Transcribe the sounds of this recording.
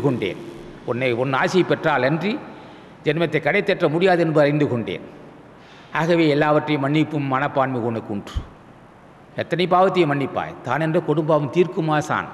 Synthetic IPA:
kɔɳɖḛːnɔnːɐɔnːaːsɪjɐpːɛʈraːlɛndri | d͡ʒɛnmɐt̪ːɐɪkːɐɽɐɪt̪ːɛʈrɐmʊɽɪjaːðɛnbɯɐɾɪnd̪ɯkɔɳɖḛːn | aːɣɐʋeːɛlːaːʋɐʈrɐjɐmɐɳːɪpːɯmːɐnɐpːaːnmikɔɳɯkːuɳɖrɯ | ɛt̪ːɐnɐɪpaːʋɐt̪ːɪjɐmɐɳːɪpːa̰ːjt̪aːnɛndrɐkɔɽʊmbaːʋɯmt̪iːrkɯmaːsa̰ːn

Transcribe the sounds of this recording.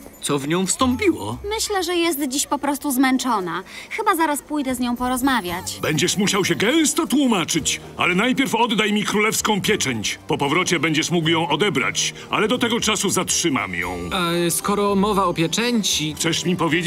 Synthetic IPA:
t̪sɔvɲɔ̃w̃fst̪ɔmpʲiwɔ̰mɘɕlɛʐɛjɛs̬t̪d͡ʑiɕpɔpɾɔst̪uzmɛnt͡ʂɔnaxɘbazaɾaspujd̪ɛzɲɔ̃w̃pɔɾɔzmavʲjat͡ɕbɛɲd͡ʑɛʂmuɕawɕɛɡɛ̃w̃st̪ɔt̪wumat͡ʂɘt͡ɕ | a̰lɛnajpʲjɛɾfɔd̪ːajmʲikɾulɛfskɔ̃w̃pʲjɛt͡ʂɛɲt͡ɕpɔpɔvɾɔt͡ɕɛbɛɲd͡ʑɛʂmukwjɔ̃w̃ʔɔd̪ɛbɾa̰t͡ɕ | a̰lɛd̪ɔt̪ɛɡɔt͡ʂasuzatʂɘma̰mjɔ̰̃w̃askɔɾɔmɔvaɔpʲjɛt͡ʂɛɲt͡ɕit͡ʂɛʂmʲipɔvʲjed͡ʑ

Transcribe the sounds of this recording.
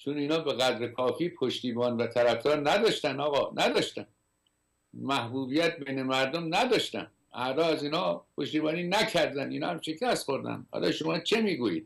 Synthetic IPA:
t͡ʃʰoniːnɒːbeɣæd̪ɾekʰɒːfiːpʰoʃt̪iːbɒːnvæt̪ʰæɾæfd̪ɒːɾnæd̪ɒːʃt̪ænɒːɣɒːnʔæd̪ɒːʃt̪æn | mæhbuːbijæt̪̚bejnemæɾd̪omnæd̪ɒʃt̪æ̰n | ʔæd̪ɒːæziːnhɒːpʰo̞ʃt̪iːbɒːniːnækʰæɾd̪æniːnɒ̰ːhæmʃe̞kʰæst̪xo̞ɾd̪æ̰nhɒ̰ːlɒ̰ːʃomɒːt͡ʃʰe̞miːɡuːjḭːd̪̥̚

